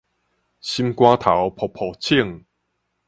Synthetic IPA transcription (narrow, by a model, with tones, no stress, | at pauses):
ɕi˦mkwa˦t̪ʰa˨˦wpʰɔ˨˩pʰɔ˨˩t͡ɕʰi˥˧˨ŋ